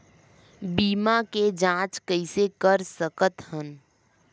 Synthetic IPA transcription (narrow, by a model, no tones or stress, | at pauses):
biːmaked͡ʒãːt͡ʃkəɪsekəɾsəkət̪hən